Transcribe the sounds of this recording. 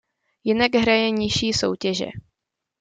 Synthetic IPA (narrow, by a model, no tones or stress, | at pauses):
jɪnaɡɦɾajɛɲɪʃiːso̰wcɛʒɛ̰